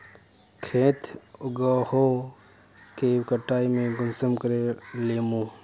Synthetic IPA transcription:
kʰẽːt̪ʰʊɡaːho | kekəʈːaːimẽɡʊnsəmkəɾeleːmũː

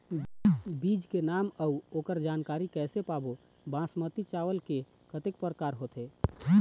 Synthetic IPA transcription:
bid͡ʒkenaməuokəɾd͡ʒaːnkaɾikɛːsepabo | bãsmət̪it͡ʃaʋəlke | kət̪ek̚pəɾəkaɾɦot̪e

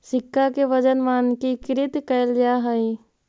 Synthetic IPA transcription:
sɪkːakeʋəd͡ʒənʋaːnkikɪɾɪt̪kəljaɦəi

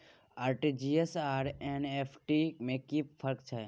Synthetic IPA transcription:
aːɾʈid͡ʒiesaːɾeneːpʰʈimẽkipʰəɾkt͡ʃʰɛ

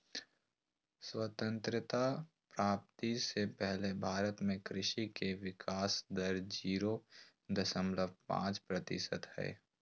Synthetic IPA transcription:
swət̪ə̃nt̪ɾɪt̪a | pɾaːp̚t̪isepɛɦlebʱaːɾət̪mẽkɾɪʃikeʋɪkʰaːsd̪əɾd͡ʒiːɾo | d̪əsə̃mbləb̚ʱpã̰ːt͡ʃpɾət̪ɪsə̰t̪hɛ̰ː

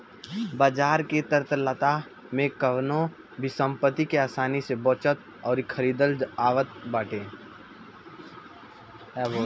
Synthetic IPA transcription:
baːd͡ʒaːɾket̪əɾt̪lət̪a | mẽkəʋnõ | bʱisə̃mpət̪ːikeaːsaːniseboːt͡ʃət̪ | ɔːɾkʰəɾiːd̪əld͡ʒaːʋət̪baːʈẽː | ɛo

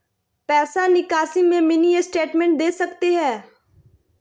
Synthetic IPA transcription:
pɛːsanɪkaːsimẽmɪniesʈeːʈmɛ̃ɳʈ̚d̪eːsɐkt̪eɦɛ̃ː

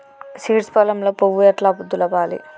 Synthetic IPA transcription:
siːʈspɐlɐmloːpoʋujɐʈlaːpud̪ːulɐʋaːlḭ

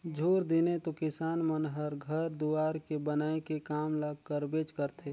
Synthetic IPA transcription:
d͡ʒʱuːɾd̪ɪnet̪okɪsaːnmənɦəɾɡʱəɾd̪uaːɾkebənaːekekaːmləɡkəɾbeːt͡ʃkəɾt̪ʰe

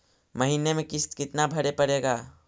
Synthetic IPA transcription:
məɦinemẽkɪst̪kɪt̪nabʱəɾepəɽeːɡaː

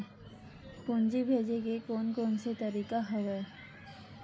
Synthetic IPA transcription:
kund͡ʒibʱed͡ʒekekonkonset̪əɾikaɦɔwe

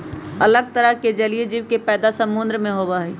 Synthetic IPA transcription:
ɐləɡ̚t̪əɾəɦked͡ʒɐlied͡ʒiʋkepɛːd̪asəmʊnd̪ɾəmẽɦoːbaɦɛː

